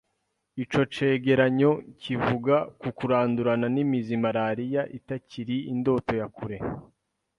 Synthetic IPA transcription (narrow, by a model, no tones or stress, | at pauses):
it͡ʃo̞t͡ʃe̞ːɡe̞ɾaɲo̞civuɡakukuɾaːnduɾananimizimaɾaɾijaʔitaciɾiindo̞to̞jakuɾe̞